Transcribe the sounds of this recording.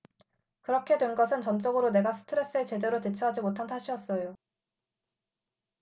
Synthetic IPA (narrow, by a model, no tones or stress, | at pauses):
kɯɾʌkʰe̞dwenɡʌsʰɯnt͡ɕʌnt͡ɕ͈ʌɡɯɾone̞ɡasʰɯ̥tʰɯɾe̞s͈ɯe̞t͡ɕe̞de̞ɾotet͡ɕʰʌɦad͡ʑimotʰantʰaɕʰiʌs͈ʌjo